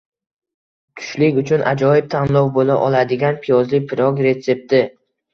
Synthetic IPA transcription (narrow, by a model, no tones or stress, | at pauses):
kʰʊ̥ʃlɪkʲʊt͡ʃʰʊnʔa̰d͡ʒɒjɪb̚t̪ʰanlˠɒwbola̰ʔɒlˠad̪ɪɡʲanpʰijɒzlɪpʰɪɾɒkʲɾe̞t̪se̞p̚t̪ʰɪ